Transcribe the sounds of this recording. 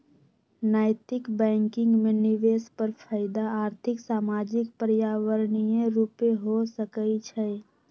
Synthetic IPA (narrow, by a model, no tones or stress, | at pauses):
naːɪt̪ɪkbɛ̃ːŋkɪ̃ŋɡmẽnɪʋespəɾpʰaɪd̪aaːɾt̪ʰɪksaːmaːd͡ʒɪkpəɾjaːʋəɾnijeɾupeɦosəkəit͡ʃʰɛ